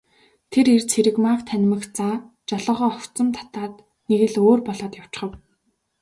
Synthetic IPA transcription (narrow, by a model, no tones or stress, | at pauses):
t̪ʰeɾert͡sʰeɾɘ̆kmaːkt̪ʰæn̆ʲmɘ̆xt͡saː | t͡ɕɔɮɞ̆ːʁɔːɔkt͡sɞ̆mt̪ʰḁt̪aːt̪ | neɣɘ̆ɮoːrpɔɮɔːt̪jaw̥t͡ɕ̆χə̆w